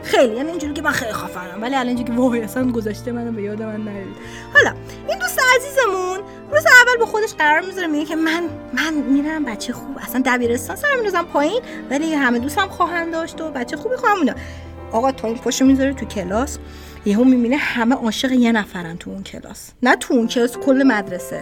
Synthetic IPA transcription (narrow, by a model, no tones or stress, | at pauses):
xejlijæːniiːnd͡ʒuɾikcʰemænxejlixɒfænæmvæliælɒnd͡ʒikʰʲevɒːɣejæsænɡozɒʃt̪emænabejɒːd̪emænːæɾeid̪ | hɒlɒ | ʔind̪ust̪eæziːzemun | museævːælbɒxo̞d̪eʃɢæɾɒːɾmizɒɾemiɟecʰe̞mæn | mænmiːɾæmbætt͡ʃʰexuːbæsænd̪æbiːɾe̞st̪ɒnshæmind̪uzæmpʰɒːjin | væliɦæmed̪ust̪æmxɒːɦænd̪ɒːʃt̪obæt̪t͡ʃʰːexuːbixuhæmunɒ̰ | ɒɣɒt̪ʰɒːinpʰɔʃomizɒɾet̪ʰucʰelɒs | jeɦomibinehæmeʔɒːʃeɣejenæfæɾænt̪ʰuuncʰe̞̰lɒ̰s | næt̪ʰuuncʰe̞lɒːskʰolːemæd̪ɾesḛ